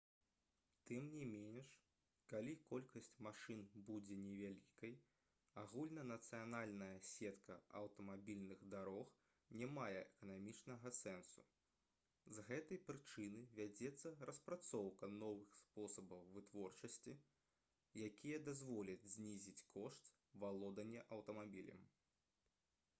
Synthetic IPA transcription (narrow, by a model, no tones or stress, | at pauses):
t̪ɨmnʲimʲenʲʂ | kalʲikɔlʲkɐsʲt͡sʲmaʂɨnbud͡zʲɛnʲɛvʲalʲikɐj | aɣulʲnɐnɐt̪sɨjanalʲnɐjɐsʲɛt̪kɐɐwt̪ɐmabʲilʲnɨɣd̪aɾɔx | nʲamajɛʔɛkɐnamʲit͡ʂnɐɣɐsɛnsṵ | zɣɛt̪ɐjpɾɨt͡ʂɨnɨvʲad͡zʲɛt̪sːɐrɐspɾat̪sɔwkɐnɔvɨxspɔsɐbɐwvɨt̪vɔrt͡ʂɐsʲt͡sʲi | jakʲijɐd̪azvɔlʲɐd͡zʲzʲnʲizʲit͡sʲkɔʂt̪ | valˠɔd̪ɐnʲːɛʔɐwt̪ɐmabʲilʲɐ̰m